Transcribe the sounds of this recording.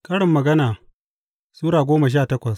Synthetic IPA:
kɐ˦ɽɪ˨mːɐ˨ɡɐ˦naː˨ | suː˦ɾaː˨ɡʷoː˦mɐ˨ʃ̬aː˦˨tɐ˦kʷɐ˨s

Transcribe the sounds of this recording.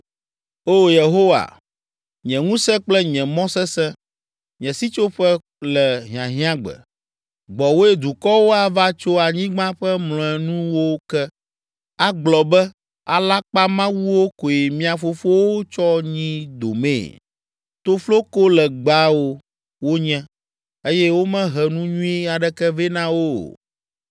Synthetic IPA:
o˦je˨ɦo˦wa̰˨ | ɲɛ̃˨ŋũ˦sɛ̃˦k͡plɛ˦ɲɛ̃˨mɔ̃˦sɛ˦sɛ̃˦ | ɲɛ̃˨si˦t͡ʃo˦ɸɛ˦ | lɛ˨ɦĩ˨ã̰˨ɦĩ˦ã˦ɡ͡bɛ̰˨ | ɡ͡bɔ˨wo˦e˦d̪u˨kɔ˦wo˦a˨va˦t͡ʃo˦a˨ɲĩ˦ɡ͡bã˦ɸɛ˦mlɔ̃˨ɛ˨nũ˦wo˦kɛ˦ | a˦ɡ͡blɔ˨bɛ˦ | a̰˨la˦k͡pa˦mã˦wu˦wo˦ko˨je˨mĩ˦a˨fo˦fo˦wo˦t͡ʃɔ˦ɲĩ˦d̪o˨mḛ̃ː˦˨ | t̪o˦flo˦ko˦lɛ˨ɡ͡ba˦wo˦ | wo˦ɲɛ̃˦ | e˦jɛ˦wo˦mɛ̃˦ɦɛ˨nũ˦ɲũ˦i˦a˨ɖɛ˦kɛ˦vɛ˦nã˦wo̰˦˨

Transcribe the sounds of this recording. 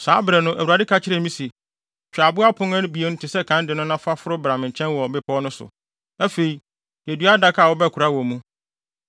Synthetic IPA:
saː˨˦bɾɛ˨nʊ̃˦ʔæ˨wu˨a˨dɪ˦kʰa˦t͡ɕʰɪ˦ɾɛ˦˨mĩ˦si˨ | t͡ɕᶣa˨bʊ˦a˦pʰʊ̃˦ŋɛ̃˦ñ˦bi˨e˦n̩˦tʰɪ˨sɛ˦kʰã˨˦n˦dɪ˨nʊ̃˦nã˦fa˦fʊ˦ɾʊ˦bɾa˨mɪ̃˨ɲ̩˨t͡ɕʰɛ̃˦nwɔ˨bɪ˦pʰɔ˦nʊ̃˦sʊ̰˨ | æ˦fe˨i˨ | jɛ˨dɥa˦da˦kʰa˦˨wɔ˦bɛ˦˨kʰu˨ɾa˦wɔ˨mũ˦

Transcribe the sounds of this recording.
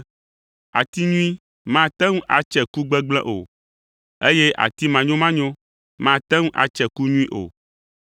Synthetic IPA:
a˨t̪i˦ɲũ˦ĩ˦ | mã˦˨t̪ɛ̃˦ŋũ˦ʔa̰˨t͡ʃɛ˨ku˦ɡ͡bɛ˦ɡ͡blɛ̃˦ʔo˨ | e˦je˦ʔa̰˨t̪i˦mã˨ɲõ˦mã˦ɲõ˦ | mã˦˨t̪ɛ˦ŋũ˦ʔa̰˨t͡ʃɛ˨ku˦ɲũ˦ĩ˦ʔo̰˨

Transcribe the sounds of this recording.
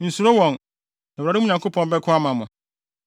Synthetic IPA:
n̩˨su˨ɾo˦wɔ̃˨n | ɛ˨ɾa˨ɾɪ̃˦˨ɲã˨kʰo˦pʰɔ̃˦nbɛ˦kʰʊ˦a˦mã˨mʊ̃˨

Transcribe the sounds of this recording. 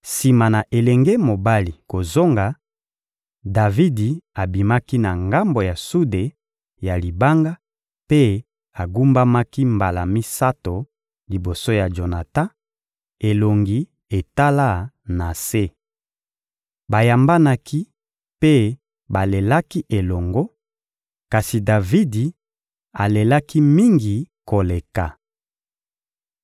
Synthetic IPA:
si˨ma˨na˨ʔe˨lɛ˨ŋɡɛ˦mo˨ba˦li˨ko˨zo˦ŋɡa˨ | da˨vi˦di˨a˨bi˨ma˦ki˦na˨ŋɡa˦mbo˨ja˨su˦de˨ | ja˨li˨ba˦ŋɡa˦ | pe˦ | a˨ɡu˦mba˦ma˦ki˦mba˨la˨mi˦sa˦to˨ | li˨bo˨so˦ja˨ʒo˨na˨tã˦ | e˨lo˨ŋɡi˨ | e˨ta˦la˦ | na˨se˦ | ba˨ja˨mba˦na˦kʰi˦ | pe˦ | ba˨le˨la˦ki˦ʔe˨lɔ˨ŋɡɔ˦ | ka˨si˨da˨vi˦di˨ | a˨le˨la˦ki˦mi˦ŋɡi˨ko˨le˨ka˨

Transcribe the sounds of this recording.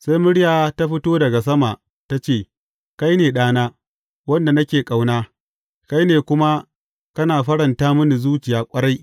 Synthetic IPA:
sa˦jmʊ˦ɽɪ˦jaː˨ta˦ɸɪ˦toː˦dɐ˨ɡa˨s̬ɐ˦ma˨ʔ | ta˦t͡ʃeː˦˨ | ka˦jneː˨ɗaː˦naː˦ | wɐ˦nda˨nɐ˦kʲeː˨kʼa˨wnaː˦ | ka˦jneː˨kʷʊ˦ma˦ | kɐ˦naː˨ɸɐ˦ɽɐ˨ntaː˦mʊ˦ni˨zuː˦t͡ʃɪ˨jaː˦kʷʼɐ˦ɾɽa˦j

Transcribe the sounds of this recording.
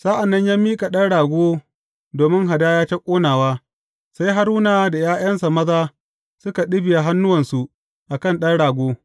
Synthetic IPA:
sa˦ʔa˨nːɐ˦ɲjaː˦miː˦kʼa˨ɗɐ˦nɽaː˨ɡʷoː˦ | doː˨mɪ˦ŋɦa˨daː˦jaː˦t͡ʃɐ˦kʷʼoː˦naː˨waː˦ | sa˦jɦa˦ɾuː˦naː˨da˨jaː˦j̰ɐ˦nsa˨mɐ˦zaː˦ | sʊ˦ka˨ɗɪ˦bɪ˨ja˨ɦa˦nːʊ˦wɐ˨nsu˨ | ʔa˨kɐ˦˨nɗɐ˦nɽaː˨ɡʷoː˦

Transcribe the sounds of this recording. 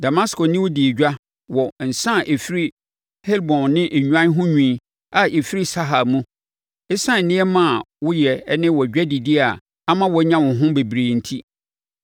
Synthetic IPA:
da˨ma˦skɔ˨nɪ̃˦wʊ˦di˨e˨d͡ʑᶣa˦ | wɔ˨n̩˨sã˦˨ʔe˨fi˦ɾi˦ | hɛ˦lbɔ̃˨nːɪ̃˦ʔe˨ɲᶣu˨ã˦n˦ɦʊ̃˦ɲᶣĩ˦ | a˨ʔe˨fi˦ɾi˦sa˦ɦa˨lmũ˦ | ɛ˦sã˦n̩˨nɪ̃˦ɛ˦mã˦˨wʊ˦jɛ˨˦nɪ̃˦wɔ˨d͡ʑᶣɛ˦di˨dɪ˦a˨ | a˦mã˦wɔ˨˦ɲã˦wʊ̃˨ɦʊ̃˦be˨bɾeː˨n̩˨tʰi˦

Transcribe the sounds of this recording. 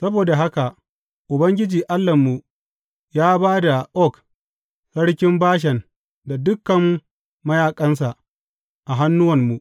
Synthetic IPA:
sɐ˦boː˨da˨ɦa˦ka˨ʔ | ʔʊ˨bɐ˦ŋɡʲɪ˦d͡ʒiː˨ʔa˦lːɐ˨mːu˨ | jaː˦baː˦da˨ʔɔ˦k | sɐ˦ɽkʲɪ˦mbaː˦ʃ̬ɛ˨n | da˨dʊ˦kːɐ˨mː | ɐ˦jaː˨kʼɐ˦ns̬a˨ʔ | ʔa˨ɦa˦nːʊ˦wɐ˨mːu˨ʔ

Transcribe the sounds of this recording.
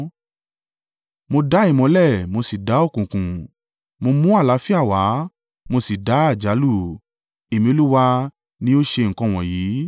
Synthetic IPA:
mo˧da˨˦i˦˨mɔ̃˨˧˦lɛ˦˨mo˧si˨da˨˦o˦˨kũ˨kũ˨ | mo˧mũ˦a˦˨la˨˦fi˦a˦˨wa˨˦ | mo˧si˨da˨˦a˦˨d͡ʒa˨˦lu˦˨ | e˨mĩ˧o˧lu˦wa˧ | nĩ˦o˦ʃe˧ŋ̩˨kɔ̃˧˨w̃ɔ̃˨jiː˨˦

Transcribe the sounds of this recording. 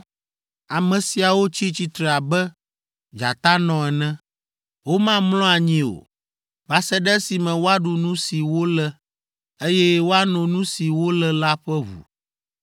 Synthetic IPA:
a˨mɛ̃˨si˨a˨wo˦t͡ɕi˦t͡ɕi˦t̪ɾɛ˨a˨bɛ˦ | d͡ʒa̰˨t̪a˦nɔ̃˨ɛ˨nɛ̃˦ | wo˦mã˦mlɔ̃˦a˨ɲĩ˦o̰˨ | ba˨sɛ˦ɖɛ˦si˨mɛ̃˨wo˦a˦ɖu˨nũ˦si˨wo˦lɛ˦ | e˦jɛ˦wo˦a˦nɔ̃˨nũ˦si˨wo˦lɛ˦la˦ɸɛ˦βṵ˨

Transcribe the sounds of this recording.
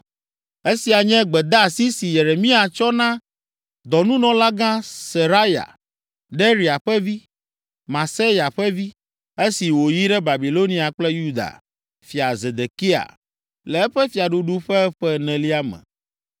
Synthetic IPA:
e˦si˨a˨ɲɛ̃˦ɡ͡bɛ˨d̪a˦˨si˦si˨je˨ɾe˨mĩ˦a˨t͡ʃɔ˦nã˦ | d̪ɔ˨nũ˦nɔ̃˨la˦ɡã˦se˨ɾa˦ja̰˨ | ɖe˦ɾi˨a˨ɸɛ˦vi˦ | mã˨se˦ja˨ɸɛ˦vi˦ | e˦si˨wo˨ji˦ɖɛ˦ba˨bi˨lo˦nĩ˦a˨k͡plɛ˦ju˦d̪a̰˨ | fi˨a˨ze˨d̪e˨ki˦a̰˨ | lɛ˨ɛ˦ɸɛ˦fi˨a˨ɖu˦ɖu˦ɸɛ˦ɸɛ˦nɛ̃˨li˦a˦mɛ̰̃˨

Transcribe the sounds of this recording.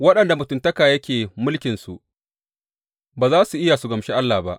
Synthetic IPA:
wɐ˦ɗɐ˨nda˨mʊ˨tʊ˨ntɐ˦kaː˨jɐ˦kʲeː˨mʊ˦lkʲɪ˨nsu˨ʔ | baː˨zaː˦su˨ʔɪ˦ja˨su˨ɡɐ˨mʃeː˦ʔa˦lːa˨ba̰˦ʔ

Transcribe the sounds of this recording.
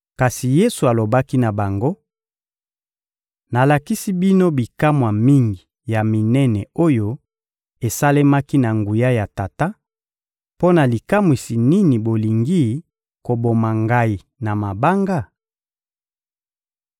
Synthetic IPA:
ka˨si˨je˦su˨a˨lo˨ba˦ki˦na˨ba˨ŋɡo˦ | na˨la˨ki˦si˦bi˦no˦bi˨ka˦mwa˨mi˦ŋɡi˨ | ja˨mi˨nɛ˦nɛ˨o˦jo˦ | e˨sa˦le˦ma˦ki˦na˨ŋɡu˨ja˦ja˨ta˨ta˦ | po˦na˨li˨ka˦mwi˨si˨ni˦ni˨bo˨li˨ŋɡi˦ | ko˨bo˨ma˨ŋɡa˦i˨ | na˨ma˨ba˦ŋɡa˦˨

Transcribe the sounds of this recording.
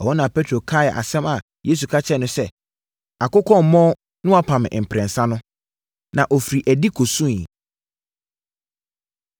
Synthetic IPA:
ɔ˨ɔ˦nã˨pʰe˦tʰɾo˨kʰa˦˨jɛ˨ʔa̰˨sɛ̃˦ma˨ | jeː˦s̬u˨kʰa˦t͡ɕʰɛ˦˨nʊ̃˦sɛ˦ | a˨kʊ˦kʰɔ̃˦˨m˨mɔ̃˦ | nʊ̃˦a˦pʰã˨mɪ̰̃˨ʔm̩˨pʰɾɛ̃˨n˨sã˦nʊ̃˦ | nã˨ʔɔ˨fi˨ɾi˨ʔæ˨di˦kʰo˨sũ˦˨i˨

